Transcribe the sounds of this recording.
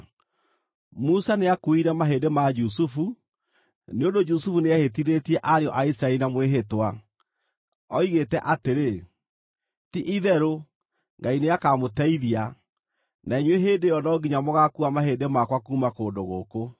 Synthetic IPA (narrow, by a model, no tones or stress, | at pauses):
musaneakoiɾɛmaɦendemad͡ʒus̬ufu | neondod͡ʒusufuneahet̬iðetiɛʔaɾeɔʔaisiɾaɛɾinamweɦetwa | ɔiɣetɛʔateɾe | tiʔiðɛɾo | ŋɡaineakamotɛiðia | nʔaiɲweɦedejɔnɔɡiɲamɔɣakuamaɦedemakwakuːmakoːndoɣoːko